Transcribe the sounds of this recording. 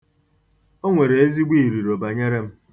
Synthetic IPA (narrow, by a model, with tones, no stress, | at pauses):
o˦ŋʷe˨ɾe˨e˦zi˦ɡ͡bʷi˦i˨ɾi˨ɾo˨ba˨ɲe˦ɾe˦m̩˦